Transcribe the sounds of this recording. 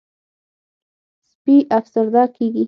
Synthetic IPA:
spiʔafsəɾd̪akeɡi

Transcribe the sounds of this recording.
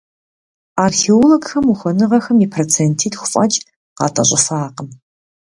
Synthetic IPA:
aːrxeoloɡxɐmuxʷɔnɨʁɐxɐmiːpʰroːt͡sʰeːntʰiːtxʷʊfʼɐ̰t͡ʃʼ | qɑ̰ːtʼɐ̰ɕʼɪfaːqəm

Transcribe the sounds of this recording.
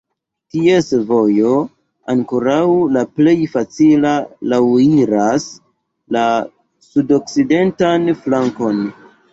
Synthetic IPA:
tie̞svo̞jo̞ | aŋkoɾawlaple̞jfat͡silalawiɾas | la | sudo̞k̚side̞ntanflaŋko̞n

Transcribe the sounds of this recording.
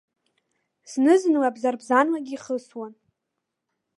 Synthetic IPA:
snɨznlabzarbzanlaɡʲiχəswan

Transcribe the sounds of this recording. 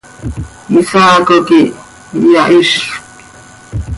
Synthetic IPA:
misaːkoki | jɑʔiʃ

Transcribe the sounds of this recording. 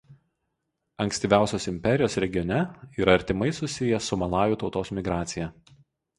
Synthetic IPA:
ɐŋʲksʲt̪ʲiːʋʲæˑʊsʲoːsɪmʲpʲɛɾʲɪjoːsɾʲɛɡʲɪjɔnʲɛiːɾɐɐɾʲt̪ʲɪmɐɪsʊsʲɪjɛsʊmɐlˠɑːjuːˑt̪ɒʊt̪oːsmʲɪɡɾɑːt̪sʲɪjɛ

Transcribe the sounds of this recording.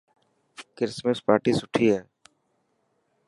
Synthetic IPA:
kɪɾsmẽːʊspaːɾʈiːsʊʈʰiːɦɛː

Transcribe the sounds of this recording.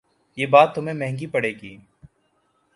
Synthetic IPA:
jeːbaːt̪ːʊmẽmɛ̃ɦɛ̃ŋɡipɐɽeːɡḭː

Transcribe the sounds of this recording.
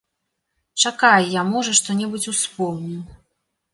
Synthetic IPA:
t͡ʂakajjamɔʐɐʂt̪ɔnʲɛbut͡sʲuspɔwnʲiw̪

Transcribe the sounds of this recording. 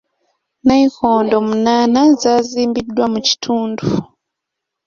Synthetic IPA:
naikoːndomunaːnazaziːmbidwamuci̥tʰuːndu

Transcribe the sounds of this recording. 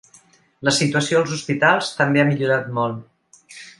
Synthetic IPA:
ləsit̪uəsioəlˠzuspit̪alˠst̪əmbeamiʎuɾat̪mɔlˠt̪

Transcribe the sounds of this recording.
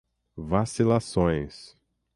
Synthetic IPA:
vasilasõj̃s

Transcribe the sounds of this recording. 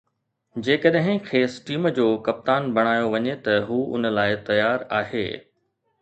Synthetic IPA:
d͡ʑeːkəɗɦɪ̃kʰeːsʈiːmd͡ʑoːkɐp̚t̪aːnbʱɐɽ̃aːjoʋɐɲet̪ɐɦuːʊ̰nə̆laːɪt̪ɐjaːɾaːɦḛː

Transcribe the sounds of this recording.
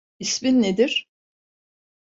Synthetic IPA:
isminːed̪iɾ̥

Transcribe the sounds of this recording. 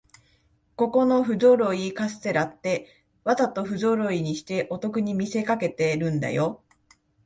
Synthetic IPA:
ko̞ko̞no̞ɸɯ̟do̞ɾo̞ikasɨ̥t̪e̞ɾat̪ːe̞ | βat̪at̪o̞ɸɯ̟do̞ɾo̞iɲ̟iɕi̥t̪e̞ʔo̞t̪o̞kɯ̟ɲ̟imʲise̞kake̞t̪e̞ɾɯ̟̃nd̪a̰jo̞

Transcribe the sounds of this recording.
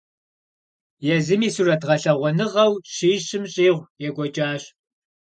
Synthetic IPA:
jɛzɨmiːsuːrɐtʁɐɬɐʁʷɔnɨʁɐwɕiːɕɪmɕʼiːʁʷjɛɡʷɔt͡ʃʼaːɕ

